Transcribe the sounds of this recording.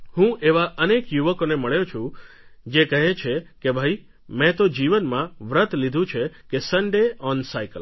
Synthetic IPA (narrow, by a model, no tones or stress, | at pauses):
hũʔeʋaʔənekjuʋəkoneməɭjot͡ʃʰũ | d͡ʒekəɦet͡ʃʰekebʱai | mɛ̃t̪od͡ʒiʋənmãʋɾət̪lid̪ʱũt͡ʃʰekesəɳɖeɔnsajkəl